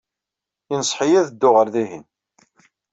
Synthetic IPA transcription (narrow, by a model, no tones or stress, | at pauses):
inəsˤħijæðəd̪ːʊʁəɾðiɦḭn